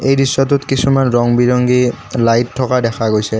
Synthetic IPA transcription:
ejdisːɔt̬utkisʰumanɹɔŋbiɹɔŋɡilajtʰːɔkadɛxʰaɡojsɛ

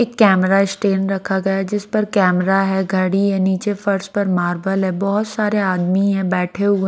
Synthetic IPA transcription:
eːkːɛːmɾaɪsʈeːnɾɐkʰaɡɐjad͡ʒɪspɐɾkɛːmɾaɦɛɡʱɐɽijaniːt͡ʃefɐɾspɐɾmaːɾbəlɦɛ̃bɔɦʊt̪saːɾeaːd̪miɦɛ̃bɛːʈʰeɦʊe

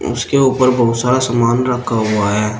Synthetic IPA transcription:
ʊ̰skeuːpəɾbɐɦʊt̪saːɾasamaːnɾɐkʰaɦuaɦɛː

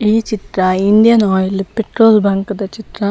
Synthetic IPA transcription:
iːt͡ʃit̪ɾɐind̪ijɐnoːjɐlpeʈɾoːlbɐːŋkɐd̪ɐt͡ʃit̪ɾɐ

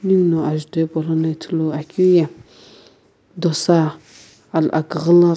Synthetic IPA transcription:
nimnoaʒidepolonetʰəloakʰija | dosa | ala̰kəɣəla

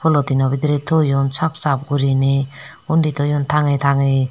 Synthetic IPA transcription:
kʰɔlɔt̪inɔbid̪ɾet̪ʰɔjɔnsʰap̚sap̚ɡuɾine | undit̪ʰɔjɔnt̪ʰaŋet̪ʰaŋe

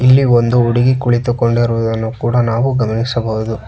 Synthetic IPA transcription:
ilːiond̪uuɽiɡikuɭit̪ukoɳɖiɾuʋud̪ɐnːukuːɽɐnaːʋuɡɐmɐnisɐbɐʋud̪u

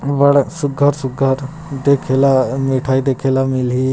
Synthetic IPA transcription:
bəɽsuɡʱaɾsuɡʱaɾ | d̪ekʰelamiʈʰajd̪ekʰelamili

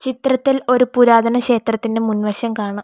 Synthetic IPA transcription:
t͡ɕit̪rɐt̪ːilo̞ɾupuɾaːd̪ɐnɐɕe̞ːt̪rɐt̪ːinde̞munʋɐɕjɐmkaːɳɨ

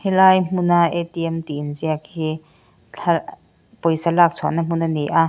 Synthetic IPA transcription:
hilaːjm̥unaʔet̪iəmt̪inziək̚hi | a | pojsalaːk̚t͡sʰɔnːam̥unanijʔa

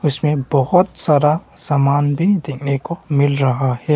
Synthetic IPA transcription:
ʊsmẽbɔɦʊt̪saːɾasaːmaːnbʱid̪eːkʰnekomɪlɾɐɦahɛː

